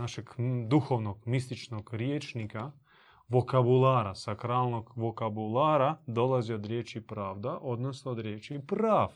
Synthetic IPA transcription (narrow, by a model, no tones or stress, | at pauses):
naʃɛɡd̪uxoʋnoɡmist̪it͡ʃnoɡɾjeːt͡ʃnika | ʋokabulˠaːɾasakɾaːlˠnoɡʋokabulˠaːɾad̪olaziod̪ɾjet͡ʃipɾaːvd̪aʔod̪nosnoːd̪ɾjeːt͡ʃipɾaːf